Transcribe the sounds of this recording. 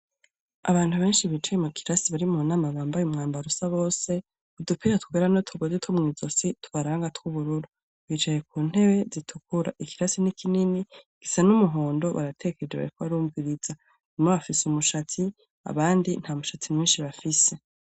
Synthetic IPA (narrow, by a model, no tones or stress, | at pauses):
a̰βaːntuβe̞ːnʃiβiːt͡ʃajemukʰi̥ɾasiβaɾimunaːmaβaːmbajumŋaːmbaɾusaβo̞ːse̞ | udupʰiɾatu̥kweɾanotʰuɡazitʰwomŋiːzositʰu̥βaɾaːŋɡatwuβuɾuɾu | βit͡ʃaje̞k̚uːn̥he̞βe̞zitʰukʰuɾa̰ʔikiɾasinikʰininiɡ̥isanumuɦoːndo̞βa̰ɾatʰe̞ɡeke̞ed͡ʒeβa̰ɾikoβaɾuːɱviɾiz̥a | imaβafisumuʃatʰi | a̰βaːndin̥hamuʃatʰimwiːnʃiβafise̞